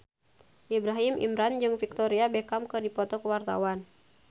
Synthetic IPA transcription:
ʔibɾaɦimʔḭmɾand͡ʒɨŋfik̚t̪ɔɾiabɛkamkɨdipɔt̪ɔkəwart̪a̰wan

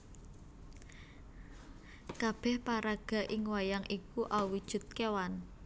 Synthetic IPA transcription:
kab̥ɛ̤hpaɾaɡ̥a̤ʔɪŋwajaŋʔikuʔawid̥ʒ̥ṳt̪̚kewan

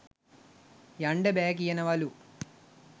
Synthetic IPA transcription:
jɐɳɖebeːk̬ijɐnɐʋɐlu

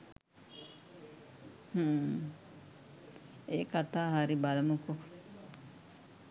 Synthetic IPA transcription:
hu | eːkat̪ːaːɦaɾibalɐmuku

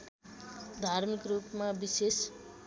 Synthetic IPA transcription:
d̪ʱarmikrupmabises

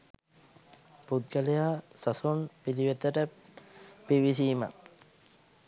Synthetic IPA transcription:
put̪̚ɡəlejaːsɐsonpiliʋet̪əʈə | piʋisiːma̰t̪

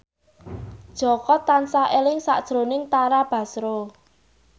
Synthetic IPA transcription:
d̥ʒ̥ɔ̤kɔt̪ansaʔelɪŋsa̰ʔd̥ʒ̥ɾo̤nɪŋt̪aɾab̥ä̤sɾo

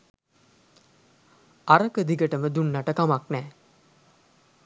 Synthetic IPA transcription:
aɾəkəd̪iɡəʈəməd̪unːaʈəkamaknɛː

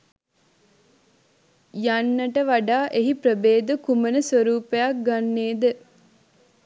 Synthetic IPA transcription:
janːəʈəʋaɖaːʔeɦipɾəbeːd̪ukumənəsʋəɾuːpejak̚ɡanːeːd̪ə

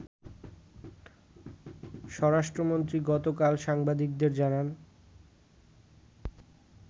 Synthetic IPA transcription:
ʃɔɾaʃʈɾomont̪ɾiɡɔt̪okalʃaŋbad̪ik̚d̪eɾd͡ʑanan

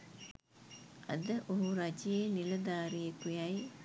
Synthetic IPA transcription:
a̰d̪əʔoɦuɾad͡ʒijeːniləd̪aːɾijekujaj

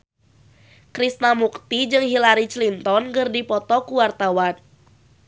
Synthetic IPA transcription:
kɾist̪namukt̪id͡ʒɨŋɦilaɾit͡ʃlint̪ɔnkɨrdipɔt̪ɔkuwart̪awan

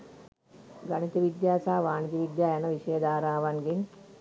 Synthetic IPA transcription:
ɡɐnit̪iʋid̪jaːsaːʋaːnit̪iʋid̪jaːjɐnɐʋiʃɐjɐd̪aːɾaːʋɐnɡin

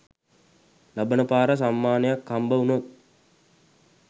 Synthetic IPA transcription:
labənəpaːɾəs̬amːaːnəjakːambəunot̪̚

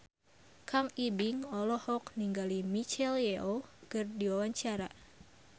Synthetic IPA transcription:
kʰaŋibiŋɔlɔhɔkniŋɡalimit͡ʃɛljɛʔokɨrdiwawaɲt͡ʃaɾa

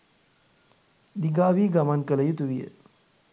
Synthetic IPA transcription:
d̪iɡaːʋiːɡɐmankɐlɐjut̪uʋijə̰

